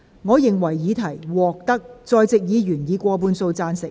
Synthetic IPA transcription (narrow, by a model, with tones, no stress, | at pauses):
ŋɔː˨˧jɪ˨ŋwɐ˨˩jːiː˨˧˥t̪ʰɐ˨˩jwɔː˨k̚t̪ɐ˥k̚t͡sɔː˧jt͡sɪ˨k̚jiː˨˧jyː˨˩njiː˨˧kʷɔː˧p̬uː˧nso˧wt͡saː˧nsɪ˨k̚